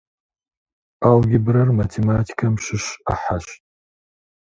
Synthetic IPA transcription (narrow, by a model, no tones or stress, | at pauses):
alɡʲɪbɾɐrmatʰematʰi̥kʰamʃɪʃaħaʃtʼ